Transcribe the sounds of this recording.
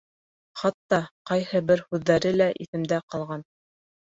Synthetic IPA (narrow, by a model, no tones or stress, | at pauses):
χɑt̪ːɑqɑjhɤbɘɾhʉðːæɾɘlæʔiθɘ̆md̪æqɑlˠʁɑn